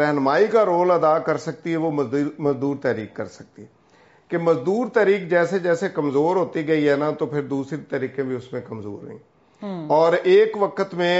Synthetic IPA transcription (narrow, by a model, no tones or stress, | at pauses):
ɾɛɦnmaːikaɾoːləd̪aːkəɾsɐk̚t̪iɦɛʋoməzd̪uːɾt̪ɛːɾiːkːəɾsɐ̥k̚t̪iɦɛ | keməzd̪uːɾt̪ɛːɾiːkd͡ʒɛːsed͡ʒɛːsekəmzoːɾɦoːt̪iɡɐiɦɛːnat̪opʰɪɾd̪uːsɾit̪əɾiːkẽbʱiʊsmẽkəmzo̰ːɾnə̰ɦḭ̃ː | ɔːɾeːkʋəkət̪mẽ